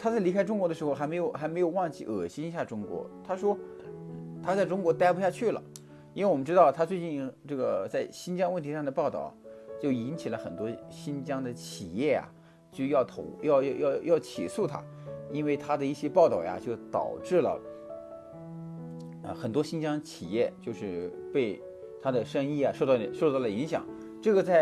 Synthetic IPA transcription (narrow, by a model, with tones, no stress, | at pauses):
t̪ʰa˥t͡sa˥˩ɪli˧˥kʰa˥ɪʈ͡ʂʊ˥ŋkwɔ˧˥d̪ə˧ʂɻ̩˧˥xo˧ʊxme˧˥ɪjo˨˩ʊxa˧˥ɪme˧˥ɪjo˨˧˩ʊwɑ˥˧ŋt͡ɕḭ˥˩ʔɤ˨˩ɕi˥ni˧˥ɕja˥˩ʈ͡ʂʊ˥ŋkwɔ̰˧˥t̪ʰa˥ʂwɔ˥n̩˥˩t̪ʰa˥t͡sa˥˩ɪʈ͡ʂʊ˥ŋkwɔ˧˥t̪a˥ɪpɕja˥˧t͡ɕʰy˥˩lə̰˩ | i˥nwe˥ɪwɔ˨˩m˦˥ʈ͡ʂɻ̩˥t̪ɑ˥˩ʊt̪ʰa˥t͡swe˥˧ɪt͡ɕi˥˧nʈ͡ʂɤ˥˩ɡə˩t͡sa˥˩ɪɕi˥nt͡ɕjɑ˥ŋwə˥˩nt̪ʰi˧˥ʂɑ˥˩ŋd̪ə˩pɑ˥˧ʊt̪ɑ̰˥˩ʊt͡ɕjo˥˩ʊi˧˥nt͡ɕʰi˨˩lə˦xə̰˨˩nt̪wɔ˥ɕi˥nt͡ɕjɑ˥ŋd̪ə˨t͡ɕʰi˨˩jɛ˥˩ja̰˩ | t͡ɕjo˥˧ʊjɑ˥˩ʊt̪ʰo̰˧˥ʊjɑ˥˧ʊjɑ˥˧ʊjɑ˥˧ʊjɑ˥˩ʊt͡ɕʰḭ˨˩su˥˩t̪ʰa̰˥ | i˥nwe˥˩ɪt̪ʰa˥d̪ə˨i˥˩ɕjɛ˥pɑ˥˧ʊt̪ɑ˥˩ʊja̰˧t͡ɕjo˥˩ʊt̪ɑ̰˨˩ʊʈ͡ʂɻ̩˥˩lə̰˩ | ə̰˧xə˨˩nt̪wɔ˥ɕi˥nt͡ɕjɑ˥ŋd̪ə˨t͡ɕʰi˨˩jɛ˥˩t͡ɕjo˥˧ʊʂɻ̩˥˧pe˥˩ɪ | t̪ʰa˥d̪ə˨ʂə˥ŋi˥˩ja˩ʂo˥˧t̪ɑ˥˩ə˩ʂo˥˧ʊt̪ɑ˥˩ʊlə˩i˧˥ŋɕjɑ̰˨˩˦ŋ | ʈ͡ʂɤ˥˩ɡə˩t͡sa˥˩ɪ